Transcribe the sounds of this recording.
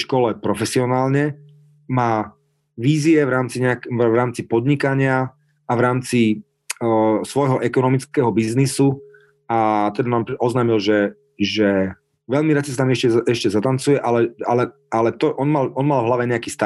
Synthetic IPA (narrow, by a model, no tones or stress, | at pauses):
ʃkɔlɛpɾɔfɛsiɔnaːlɲɛ | maː | ʋiːziɛʋɾaːmt͡siɲɛakʋɾaːmt͡sipɔd̪ɲikaɲɪa | aʋɾaːmt͡si | sʋɔjɦɔʔɛkɔnɔmit͡skɛɦɔbiznisu | at̪ɛd̪anamɔznaːmilʒɛ | ʒɛ | ʋɛʎmiɾasisat̪aːmiɛʃcɛɛʃcɛzat̪ant͡sujɛʔalɛalɛ | alɛt̪ɔʔɔnmalʔɔnmalvɦlaʋɛɲɛakiːst̪a